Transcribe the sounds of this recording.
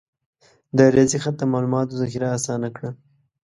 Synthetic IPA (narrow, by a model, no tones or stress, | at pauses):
d̪əɾjɑzixat̪̚d̪əmɑlumɑt̪ozɑxiɾaːsɑnakɽə